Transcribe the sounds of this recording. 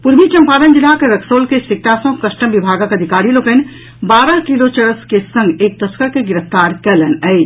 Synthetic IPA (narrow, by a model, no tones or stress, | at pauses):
puɾmit͡ʃəmpaːd̪ənd͡ʒilakeɾəkʰsoːlkesik̚ʈ̪asə̃kɐsʈəmbibʱaːɡakəd̪ʱikaːɾiloːkən | baːɾəɦkilot͡ʃəɾəskesə̃ŋɡeːk̚t̪əskəɾkeɡɪɾəft̪aːɾkɛlənəɪd͡ʒ